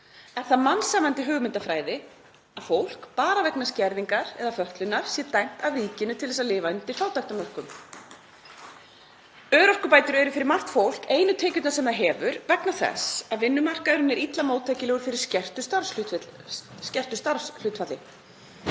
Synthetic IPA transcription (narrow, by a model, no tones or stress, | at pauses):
ɛnθaðmansaːmant̪ɪɦʏːɣmɪnt̪afɾaːjðɪ | aðfowl̥kpaːɾavɛknascɛɾðiŋkaɾɛ̰ðafœht̪lʏnːaɾ̥sjɛt̪ajŋ̥t̪avriːcɪnʏt̪ʰɪlðɛsaðlɪːvaʏnt̪ɪɾ̥θaːwt̪ajht̪amœr̥kʏm | œːɾɔhkʏpaːjt̪ʏɾʏɛɾʏfɪɾɪɾmar̥t̪fowl̥keːjnʏt̪ʰeːcʏt̪nasɛmðaɦɛːvʏɾvɛknaθɛ̰saðvɪnːʏmar̥kaɾʏnɛɾit̪lamoːwt̪ʰajcɪlɛːɣʏɾ̥fɪɾɪɾ̥scɛr̥t̪ʏst̪aɾslʏt̪ | scɛr̥t̪ʏst̪aɾslʏːt̪fat̪lɪ